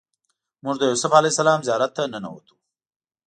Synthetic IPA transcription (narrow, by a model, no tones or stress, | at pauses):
mʊʐd̪əjowsʊfalejsalɑmzjɑɾat̪ːanəna̰wo̰t̪u̥